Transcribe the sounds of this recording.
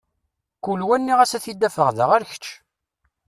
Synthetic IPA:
kulwænːiʁæsæθid̪ːæfəʁðəʁæɾçə̥t͡ʃː

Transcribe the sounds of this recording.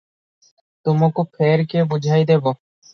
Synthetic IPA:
t̪omokopʰeɾkebud͡ʑʱajd̪ebo

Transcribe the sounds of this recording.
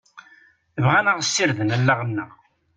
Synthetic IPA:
əvʁænəʁəsːiɾðənælːaʁənːə

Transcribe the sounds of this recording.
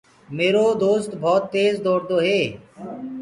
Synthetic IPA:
meːɾoːd̪oːst̪bʱɔːt̪ːeːzd̪oːɾd̪oːɦeː

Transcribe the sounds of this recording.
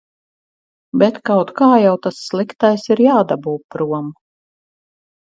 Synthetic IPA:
bʲɛt̪kawt̪kaːjawt̪asːlˠikt̪ajsiɾjaːd̪abuːpɾuɔmu

